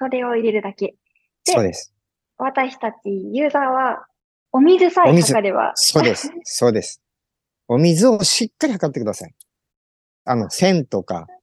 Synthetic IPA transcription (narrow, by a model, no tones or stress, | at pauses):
so̞ɾe̞o̞iɾe̞ɾɯ̟d̪ake̞ | d̪̥eo̞ːd̪e̞sɨ̥ | βat̪aɕi̥t̪at͡ɕijɯ̟ːzaːβa | o̞mʲizɨsaimʲizɨkaɾeβa̰so̞ːd̪e̞sɨ̥so̞ːd̪e̞sɨ̥ | o̞mʲizɨoɕikːaɾʲihakat̪ːe̞kɯd̪asa̰i | ano̞sẽ̞nt̪o̞ka̰